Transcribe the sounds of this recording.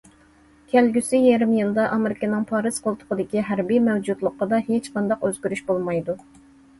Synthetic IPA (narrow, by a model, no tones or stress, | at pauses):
kʲʰælɡʲysijɛɾɪmjɨlˠd̪ɑʔɑmɪɾɪkɑnɨŋpʰɑɾɨz̥qʰolˠt̪ʰʊ̥qəd̪ɪkʲiɦæɾbimɛwd͡ʒud̪lˠʊqːəd̪ɑhet͡ʃqɑnd̪ɑqøzɡʲyɾyʃbolˠmɑjd̪u